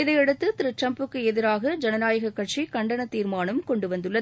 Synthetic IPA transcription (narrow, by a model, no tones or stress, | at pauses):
ɪðɐɪɛɽɯt̪ːɯt̪ɪɾɯʈrɐmpɯkːɯɛðɪɾaːɣɐd͡ʒɛnɐnaːjɐɣɐkːɐʈ̚t͡ʃikɐɳɖɐnɐt̪ːiːɾmaːnɐmkɔɳɖɯʋɐnd̪ɯɭːɐ